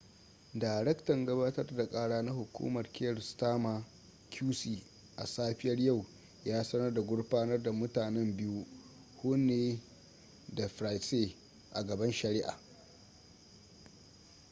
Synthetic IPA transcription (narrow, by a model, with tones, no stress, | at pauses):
daː˨jɾɛ˦ktɐ˨ŋɡɐ˦baː˦tɐ˦rda˨kʼaː˦ɽaː˦na˦hʊ˨kʷṵː˦mɐ˨rkʲe˦ɾstaː˦ma˨ | kʰʲuː˦siː˨ | ʔa̰˨saː˦ɸɪ˦jɐ˦rja˦˨w | jaː˦sɐ˦nɐ˦rda˨ɡʷʊ˦ɽɸaː˦nɐ˦rda˨mʊ˦taː˨nɛ˦mbɪ˦ju˦ | hʊ˦neː˦ | da˨ɸɾa˨jseː˦ | ʔa˨ɡɐ˨bɐ˦nʃɐ˨ɾɪ˦ʔa̰ː˨